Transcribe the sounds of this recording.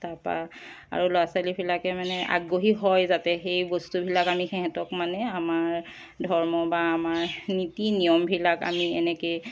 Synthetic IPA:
tapa̰ | a̰ɹuloasalibilakɛmanɛʔa̰ɡoɦiɦɔjzatɛxejbɔstubʱilakamixɛɦɛtɔkmanɛamaɹ | dʱɔɹmɔbaːmaɹnitinijɔmbʱilaka̰miɛ̰nɛkej

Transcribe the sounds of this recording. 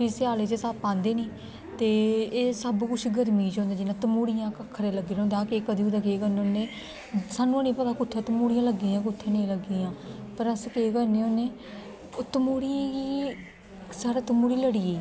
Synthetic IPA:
pɪsɪaːleːt͡ʃeːsaːpãːnd̪eːnĩː | t̪eːeːsəbkʊt͡ʃʰɡəɾmiːt͡ʃõːnd̪eːd͡ʒɪnãːt̪əmuːɽɪjãːkəkʰːɾeːləɡeːõnd̪aːkeːkəd̪iːʊd̪aːkeːkəɾnːoːneː | saːnːũːənĩːpət̪aːkʊt̪ʰːãːt̪əmuːɽɪjãːləɡːiːãːk̬ʊt̪ʰːẽːnẽːləɡiːãːpəɾəskeːkəɾneːoːneː | t̪əmuːɽijãːkiː | saːɾaːt̪əmuːɽiːləɽiːeː

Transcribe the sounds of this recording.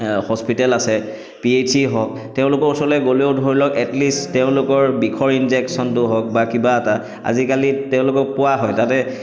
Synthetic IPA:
hɔspitɛlasɛ | pietʰiɦɔk̚ | tɛʊ̃lʊkɔɹsɔlɛɡoleoʊdʱoɹilɔkɛtlisttɛʊ̃lʊkɔɹbikʰɔɹinzɛksɔntʊɦɔk̚bakibaːta | a̰zikalitɛʊ̃lʊkɔk̚pʊaɦɔjtatɛ

